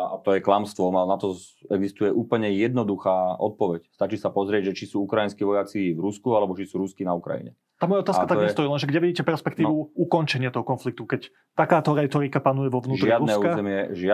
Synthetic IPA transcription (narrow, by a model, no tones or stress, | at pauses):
at̪ɔjɛklamst̪ʋɔmanat̪ɔɛɡzist̪ujɛʔuːpl̩ɲɛjɛd̪nɔd̪uxaːɔt̪̚pɔʋɛcst̪at͡ʃisapɔzɾɪɛɟʒɛt͡ʃisuːukɾajinskiʋɔjat͡sivɾuskualɛbɔt͡ʃisuːɾuskinaukɾa̰jḭɲɛ̰amɔjaɔt̪aːskat̪aɡɲɛst̪ɔiːlɛnʒɛɡɟɛʋiɟiːcɛpɛɾspɛkt̪iːʋuukɔnt͡ʃɛɲɪat̪ɔɦɔkɔnflik̚t̪ukɛc | t̪akaːt̪ɔɾɛt̪ɔɾikapanujɛʋɔʋnuːʒɾɪad̪ɾuɛsukazɛmɪɛʒɪa